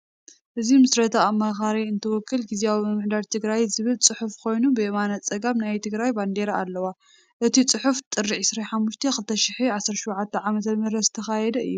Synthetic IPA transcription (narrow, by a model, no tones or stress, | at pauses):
ʔɨzimɨsɾɐt̪ʰaamːaxaɾiɨnt̪ʰɐwɔkːɨlɡiziawimɐmːɨħd̪aɾt̪ʰɨɡɾajzɨβɨlt͡sʼɨħufkʰo̞jnubɨemanat͡sʼɐɡamnajt̪ʰɨɡɾajband̪eɾaalːɐwa | ʔɨt̪ʰit͡sʼɨħuft̪ʼɨrːiʕɨsɾaħamːuʃt̪ʰexɨlt̪ʰɐʃɪħiʕasɐɾʃuwʕat̪ʰːɐʕamɐt̪ʰɐmɐɾɐzɨt̪ʰɐxajɛd̪ɐɨ̰jːu